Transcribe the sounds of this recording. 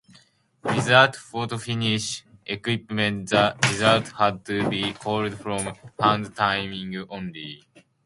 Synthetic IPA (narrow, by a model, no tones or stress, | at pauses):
ɹizalt̪fɔt̪ufiniʃʔekwipmẽnt̪zaɹizalt̪had̪̚t̪ɨbikʰɔldfɾɔ̃mhãnd̪t̪ʰãɪmĩŋɡõnli